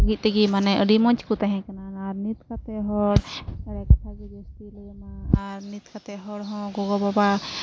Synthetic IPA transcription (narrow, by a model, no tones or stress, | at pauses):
ɡit̪̚t̪ɛɡimanɛʔɾimɔɲt͡ʃkut̪aɦɛ̃kananaɾnit̪kat̪ɛɦɔɽkaɽɛkat̪ʰaɡid͡ʒɔst̪ilɛmaaɾnit̪̚kat̪ɛɦɔɽɦɔ̃ɡɔɡɔbaba